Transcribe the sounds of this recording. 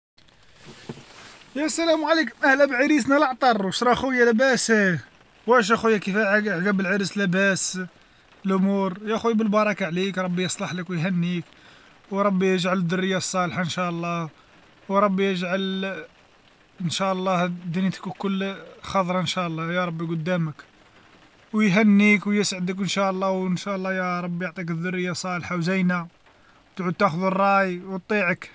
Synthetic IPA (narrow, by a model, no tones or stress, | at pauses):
jæsælæmʕalikmʔæhlæbʕəɾis̬næləʕt̪ˤɑrˤwəʃɾˤɑxujːælæbæsæ | wæʃ̬æxujːækifæʕɡæbəlʕəɾəslæbæs | lʔʊmuɾjæxujbəlbɑɾˤɑkaʕlikɾˤɑbːijəsˤlɑħləkwəjɦænːik | wɾˤɑbːijəʒʕaləd̪ːʊrːəjːasˤːɑlħaənʃæʔlˤːɑh | wɾˤɑbːijəʒʕal | ənʃæʔlˤːɑhd̪int̪ə̥kkːʊlːxɑd̪ˤɾˤɑənʃæʔlˤːɑjɑɾˤɑbːiɡʊd̪ːæmək | wjɦænːikwjəsʕəd̪ək̬ʔənʃæʔlˤːɑwənʃæʔlːɑjɑɾˤɑbːijoʕt̪ˤikəd̪ːʊrːəjːasˤːɑlħawzæjna | t̪ʕud̪̚t̪æxʊðərˤːɑjwt̪ˤːiʕək